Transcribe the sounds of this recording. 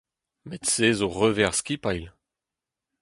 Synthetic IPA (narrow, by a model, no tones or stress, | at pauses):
mɛt̪seːzoʁøvɛʁskipajl